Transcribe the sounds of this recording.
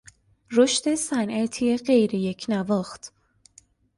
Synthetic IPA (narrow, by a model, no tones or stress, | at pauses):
ɾoʃt̪e̞sænʔæt̪ʰieɢe̞jɾejecʰnævɒːxt̪ʰ